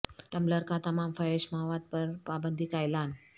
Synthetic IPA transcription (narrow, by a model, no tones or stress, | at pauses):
ʈəmləɾkãt̪əmamfəeɕmaʋat̪̚pəɾpabənd̪ʱiːkajlan